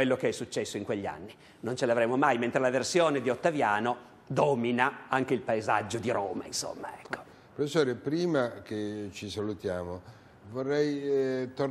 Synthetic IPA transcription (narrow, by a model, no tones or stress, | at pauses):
welːokeɛsːut͡ʃːɛsːoiŋkweʎːia̰nːi | nont͡ʃelavɾeːmomajment̪ɾelaversjoːned̪iot̪ːavjaːno | d̪ɔːminaaŋk̟eilpaeza̰d͡ʒːod̪iɾo̰ːma̰inso̰mːa̰ɛkːo̥ | pɾofesːoːɾepɾiːmaket͡ʃisalut̪jaːmo | vorːɛjt̪o